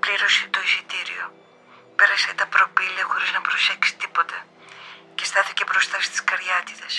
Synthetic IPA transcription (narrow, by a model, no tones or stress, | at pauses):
pliɾo̞si̥t̪o̞isit̪iɾḭo̞̰ | peɾɐset̪ɐpɾo̞piliɐxo̞ɾiznɐpɾo̞se̞ksi̥t̪ipo̞t̪ɐ | cest̪ɐθicepɾost̪ɐsi̥st̪i̥skɐɾʝɐt̪it̪ɐs